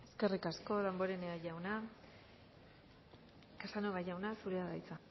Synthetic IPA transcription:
e̞ske̞rikasko̞ðambo̞ɾeneajawna | kasanoɣaʝawnasuɾeaðajt͡sa

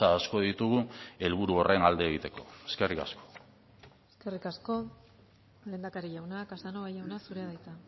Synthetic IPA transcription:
aːsko̞ðit̪uɣue̞lβuɾuo̞re̞nald̪e̞ːɣit̪e̞ko̞̰e̞ske̞rika̰sko̥ | eske̞rikasko̞ | le̞nd̪akaɾiʝawnakasanoβajawnasuɾe̞aðajt̪a

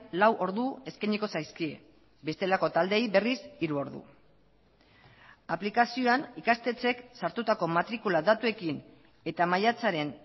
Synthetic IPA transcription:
lawʔo̞ɾðue̞skajɲiko̞sajskie̞̰ | be̞st̪e̞lako̞t̪ald̪e̞jβe̞risiɾuo̞ɾðṵ | aplikasio̞anikast̪e̞t͡se̞ksaɾt̪ut̪ako̞mat̪ɾikulaðat̪ue̞kin | e̞t̪amajat͡saɾe̞n

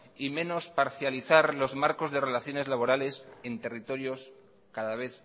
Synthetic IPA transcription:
imẽ̞no̞spaɾθjaliθaɾlo̞zmaɾko̞zðe̞re̞laθjo̞ne̞zlaβ̞o̞ɾale̞se̞nt̪e̞rit̪o̞ɾjo̞s | kaðaβ̞e̞θ

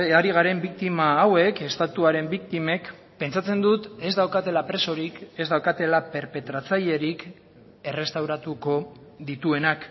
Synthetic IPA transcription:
aɾiɣ̞aɾe̞mbikt̪imaːwe̞ke̞st̪at̪uaɾe̞mbikt̪ime̞k | pe̞nt͡sat͡se̞nd̪ut̪e̞zd̪awkat̪e̞lapɾe̞so̞ɾike̞zd̪awkat̪e̞lape̞ɾpe̞t̪ɾat͡saʎe̞ɾik | e̞re̞st̪awɾat̪uko̞ðit̪ue̞nak

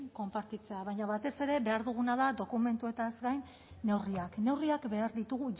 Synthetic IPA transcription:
ŋko̞mpaɾt̪it͡se̞aβ̞aɲaβat̪e̞se̞ɾe̞βe̞aɾðuɣ̞unaðad̪o̞kume̞nt̪ue̞t̪aezɡajnː | e̞wriakne̞wriakbe̞aɾðit̪uɣuʝ

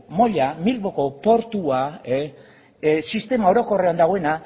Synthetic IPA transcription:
mo̞ʎamilβo̞ko̞po̞ɾt̪ua | sist̪e̞mao̞ɾo̞ko̞re̞and̪aɣoe̞na

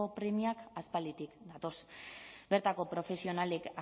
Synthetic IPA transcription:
opɾemiakaspald̪it̪ikd̪at̪o̞sbe̞ɾt̪ako̞pɾo̞fe̞sio̞naleka

